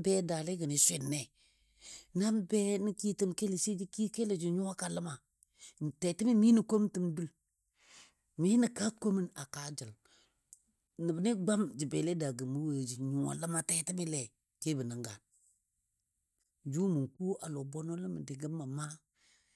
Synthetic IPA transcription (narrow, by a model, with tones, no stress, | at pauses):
bɛ˦da˨le˦ɡə˨ni˨sʷɪ˦˨nːe˨ | na˦mbɛ˦ni˦ki˦ti˦mke˦li˨si˦d͡ʒi˦ki˦ke˦le˨d͡ʒi˨ɲu˦wa˦ka˨lə˦ma˨ | te˨ti˦mi˦mi˦ni˨ko˦m˦ti˦mdu˦l | mi˦ni˨ka˦ko˦mi˦na˨ka˨d͡ʒə˨l | nə˨bni˦ɡ͡ba˦md͡ʒi˨be˨le˦da˨ɡə˨mu˦wə˨d͡ʒi˨ɲu˨a̰˨lə˦ma˨te˨ti˦mi˦le˨ | ke˦bə˨nə˨ŋɡa˨n | d͡ʒu˦mu˨ŋku˦ʔa˨lo˨bo˦no˦lə˦mə˨dɪ˨ɡə˦mːa˨ma˦